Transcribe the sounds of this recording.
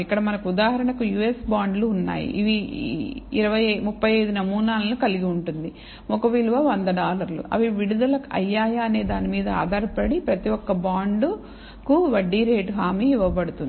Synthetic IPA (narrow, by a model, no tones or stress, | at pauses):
ikːɐɽɐmɐnɐkud̪aːɦɐɾɐɳɐkujuːesbaːɳɖluːnːa̰ːjḭʔiʋiː | ɾɐʋɐjmupːɐjɐjd̪unɐmuːnaːlɐnukɐliɡiuɳʈund̪i | mɔkɐʋiluʋaʋɐnd̪ɐɖaːlɐɾlṵʔɐ̰ʋiʋiɽud̪ɐlɐkɐ̰jːaːjaːne̞ːd̪aːnimiːd̪ɐa̰ːd̪ʱɐɾpɐɽipɾɐt̪iɔkːɐbaːɳɖu | kuʋɐɖːiːɾeːʈɦaːmiːiʋɐbɐɽut̪und̪